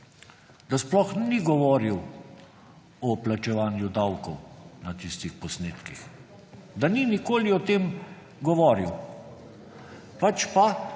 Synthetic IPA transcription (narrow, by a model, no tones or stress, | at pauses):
d̪asplɔxniɡɔʋɔːɾiw | ɔplat͡ʃɛʋaːnjud̪awkɔwnat̪ist̪ixpɔsneːt̪kix | d̪aninikoːliɔt̪eːm | ɡɔʋɔːɾiw | pat͡ʃpa